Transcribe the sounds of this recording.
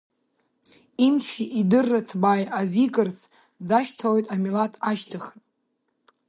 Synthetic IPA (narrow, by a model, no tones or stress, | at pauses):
imt͡ʃʷʰiʔidɨrːatʰbajazikʼɨrt͡sʰ | daʃtʰalojtʼamilatʰaʃtʰɨχn